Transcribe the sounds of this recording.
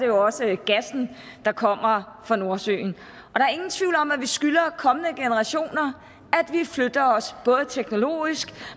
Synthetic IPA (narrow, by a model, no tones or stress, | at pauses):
d̥e̝joɒ̽səɡ̥æsn̩ | d̥ɑ̈kʰɒ̽m̰ɐfʁɑ̈no̝ɐsø̰ːn̩ | ʔɒ̽d̥ɑ̈æɐe̝ŋn̩t͡sʰʋiʊlɒ̽mæʋisɡ̥ylɐkʰɒ̽mənəɡ̥enəʁɑ̈ɕo̝̰ːnɐ | æd̥ʋiflød̥ɐɒ̽sb̥ɔ̽ːð̞̩ˠət͡sʰeɡ̥no̝lo̝̰ːisɡ̥